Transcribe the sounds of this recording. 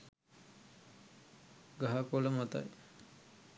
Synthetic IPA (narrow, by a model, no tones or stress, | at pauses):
ɡaɦakoləmat̪a̰j